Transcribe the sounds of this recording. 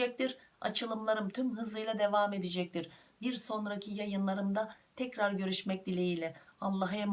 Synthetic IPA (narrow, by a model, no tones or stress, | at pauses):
ɛc̚t̪ʰiɾ | a̰t͡ʃʰɯlˠɯmlˠaɾɯmt̪ʰymɦɯzˠɯjlˠad̪e̞vaːme̞d̪id͡ʒɛc̚t̪ʰiɾ̥ | biɾso̞nɾacʰijajɯnlˠaɾɯmd̪at̪ʰɛcɾaɾɟø̞ɾyʃmɛc̚d̪ilʲejiːlʲɛalˠːaɦɛm